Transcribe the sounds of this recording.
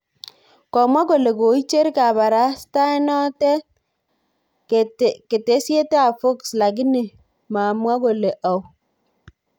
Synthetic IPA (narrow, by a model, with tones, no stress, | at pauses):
kɔ˨mwa˦ɡo˨le˨ko˨i˦t͡ʃe˦ɾka˨ba˨ɾa˦sta˦i˦nɔ˦tɛ˦ | ke˨te˨˦se˦te˦a˨fo˦ksla˨ɡi˦ni˨ | ma˨mwa˦ɡo˨le˨ʔa˨w